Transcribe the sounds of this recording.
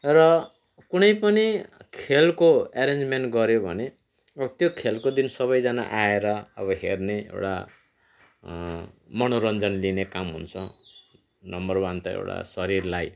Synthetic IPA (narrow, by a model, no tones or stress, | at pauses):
rʌ | kunʌjpʌnikʰelkoaɾend͡zmeɳʈɡʌɾjobʱʌ̰ne | ʌbʌt̪jokʰelkod̪insʌbʌjd͡zana̰ʔaeɾʌʌ̰bʌɦḛrneḛwʈa̰ | mʌnoɾʌnd͡zʌnlinekamɦṵnt͡sʰʌ | nʌmbʌrbant̪ʌḛwʈa̰sʌɾirlaj